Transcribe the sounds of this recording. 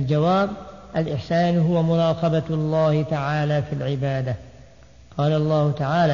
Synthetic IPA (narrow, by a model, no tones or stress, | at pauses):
ald͡ʒawaːbʔalʔɪħsaːnɦʊwamʊɾˤɑːqɑbalˤːɑːhɪt̪aʕaːlaːfiːlʕɪbaːd̪a | qɑːlaʔɑlˤːɑːhʊt̪aʕaːlaː